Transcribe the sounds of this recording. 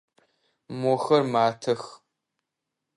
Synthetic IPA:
moːxɐrmaːtʰɐx

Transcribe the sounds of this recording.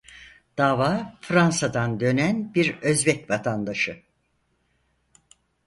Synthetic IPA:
d̪̥aːvaːfɾansad̪and̪ø̞nænbiɾø̞zbɛcvat̪ʰand̪aʃɯ

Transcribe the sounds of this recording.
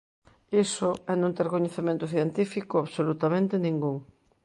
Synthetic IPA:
isoɛnõnt̪ɛɾkoɲeθemẽnt̪ʊθjent̪ifikʊaβsolut̪amẽnt̪enĩŋɡuŋ

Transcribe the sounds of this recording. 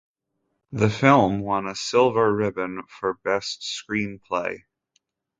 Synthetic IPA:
ðɨfɪlˠmwʌ̃nɨsɪlˠvə˞ɹɪbɨ̃nfə˞bɛstskɹĩnpʰl̥eɪ

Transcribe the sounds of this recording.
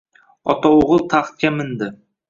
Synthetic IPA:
ɒt̪ɒʊʁəlˠt̪ʰɑχt̪̚kʲamɪnd̪ɪ

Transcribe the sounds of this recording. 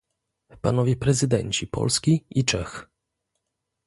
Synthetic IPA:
panɔvʲjɛpɾɛzɘd̪ɛ̰ɲt͡ɕipɔ̰lskʲiit͡ʂɛx

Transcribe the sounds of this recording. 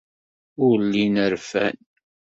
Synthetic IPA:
ʊɾlːinəɾfæ̰n

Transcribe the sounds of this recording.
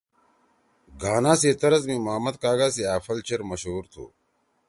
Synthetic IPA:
ɡaːnãːseːt̪ɐɾɐzmĩmɐmɐt̪̚kaːɡaːsiaːfɐlt͡ɕɐɾmɐɕɦuːɾt̪ʰṵː

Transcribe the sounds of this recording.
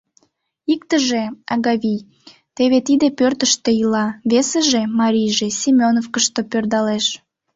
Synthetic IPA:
ikt̪əʒeɑɣɑβʲij | t̪eβet̪id̪epørt̪əʃt̪eilɑβeseʒemɑɾʲijʒesʲimʲonofkəʃt̪opørd̪ɑleʃ

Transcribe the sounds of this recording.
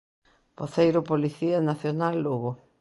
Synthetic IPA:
poθejɾʊpoliθianaθjonalːuɣʊ

